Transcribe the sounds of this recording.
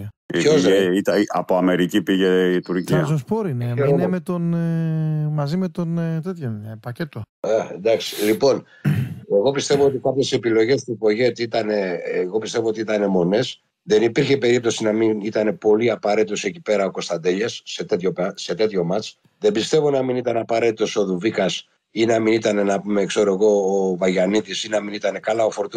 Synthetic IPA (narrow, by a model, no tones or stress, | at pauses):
içoeit̪ɐiʔɐ̰poɐme̞ɾicipiʝeit̪uɾciɐzospoɾinonmet̪on | mɐzimet̪ont̪et̪çopɐcet̪o | end̪ɐksi̥lipo̞n | e̞ɣo̞pist̪e̞vo̞ot̪ikɐpçe̞se̞pilo̞ʝe̞st̪upo̞ʝe̞t̪iit̪ɐne̞ːɣo̞pist̪e̞voo̞t̪iit̪ɐne̞mo̞ne̞s | ðe̞nipiɾçe̞pe̞ɾip̚t̪o̞sinɐminit̪ɐne̞po̞liɐpɐɾe̞t̪it̪o̞se̞cipe̞ɾɐo̞ko̞st̪ɐnd̪e̞ʎesːe̞t̪et̪ço̞pse̞t̪e̞t̪ço̞mɐt͡ʃ | ðe̞bist̪e̞vo̞nɐminit̪ɐnɐpɐɾe̞t̪it̪o̞so̞ðuvikɐs | inɐminit̪ɐne̞nɐpume̞ːkso̞ɾoeɣo̞ːvɐʝɐnit̪isinɐminit̪ɐne̞kɐlɐo̞fo̞ɾt̪u